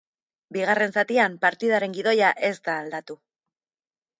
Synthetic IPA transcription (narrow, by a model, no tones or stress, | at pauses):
biɣ̞are̞nsat̪iampaɾt̪iðaɾe̞ŋɡið̞o̞jaʔe̞st̪aːld̪at̪u